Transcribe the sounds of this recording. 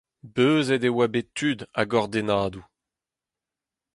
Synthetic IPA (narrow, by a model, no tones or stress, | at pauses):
bøːzɛd̪ewabet̪ːyd̪a̰ɡɔʁd̪enaːd̪u